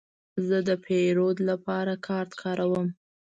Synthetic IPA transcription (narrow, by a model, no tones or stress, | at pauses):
zəd̪əpʰeɾod̪lapɑɾakʰɑɾt̪kʰɑɾawəm